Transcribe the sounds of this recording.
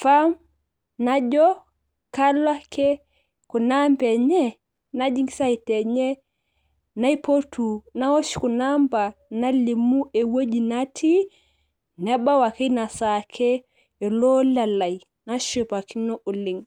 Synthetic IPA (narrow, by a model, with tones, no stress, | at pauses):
fam | nad͡ʒɔ | kalwa˦kɛ | ku˨nambɛ˨ɲɛ˦ | na˦d͡ʒi˦ŋɡisa˦itɛ˨ɲɛ˦ | na˦ipo˦tʰu˨na˦wo˦ʃku˨namba˨na˦li˨mu˦ʔɛ˨wo˦d͡ʒinatʰi˦ | nɛ˦ba˦wa˨ki˦na˨sakʰɛː˨ | lɔ˦la˨la˨i | na˦ʃupa˨ki˦nɔ˦ʔu˨liŋ